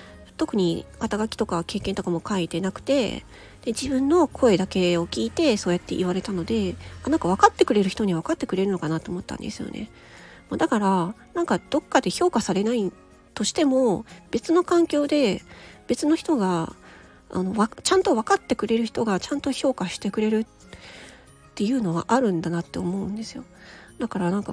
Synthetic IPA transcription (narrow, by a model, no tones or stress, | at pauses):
t̪o̞kɯ̟ɲ̟ikat̪aɡakʲi̥t̪o̞kake̞ːkẽ̞nt̪o̞kamo̞kait̪enakɯ̟̥t̪e̞̰ | d̪̥e̞d͡ʑibɯ̟̃nːo̞kʰo̞e̞d̪ake̞o̞kʲiːt̪e̞so̞ːjat̪ːe̞ʔiβaɾe̞t̪ano̞d̪e̞anãŋkaβ̞akat̪ːe̞kɯ̟ɾe̞ɾɯ̟çi̥t̪o̞ɲ̟iβakat̪ːe̞kɯ̟ɾe̞ɾɯ̟no̞kanat̪oːmo̞t̪ːã̰nd̪e̞sɨjo̞̰nʔe̞̰ | mod̪akaɾanãŋkad̪̥o̞kːad̪e̞ço̞ːkasaɾe̞nai | t̪o̞ɕi̥t̪e̞mo̞b̥e̞t͡sɨno̞kãŋkʲo̞ːd̪e̞b̥e̞t͡sɨno̞çi̥t̪o̞ɡa | a̰no̞βat͡ɕãnt̪o̞βakat̪ːe̞kɯ̟ɾe̞ɾɯ̟çi̥t̪o̞ɡat͡ɕãnt̪o̞ço̞ːkaɕi̥t̪e̞kɯ̟ɾe̞ɾɯ̟t | t̪ːe̞jɯ̟ːno̞ɡa̰ʔaɾɯ̟̃nd̪anat̪ːe̞omo̞ɯ̟̃nd̪e̞sɨjo̞d̪̥akaɾanãŋka